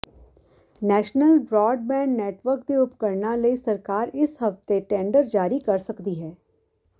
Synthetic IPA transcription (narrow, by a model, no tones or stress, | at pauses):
nɛːʃnəlbɾɔːɖmɛ̃ːɳɖːeːʈʋəɾk̚d̪eʊpkəɾnalɐisɐɾkaːɾɪsɦɐft̪eʈɛ̃ːɳɖəɾd͡ʒaːɾikɐɾsɐkd̪iɦɛː